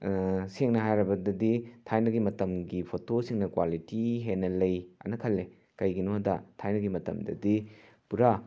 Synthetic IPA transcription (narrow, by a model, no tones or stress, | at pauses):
seŋnɐɦajɾɐbɐdɐditʰajnɐɡimɐtɐmɡipʰotosiŋnɐkwalitiɦenɐlɐjɐ̰nɐkʰɐlːe | kɐjɡinodɐtʰajnɐɡimɐtɐ̰mdɐ̰di | puɾa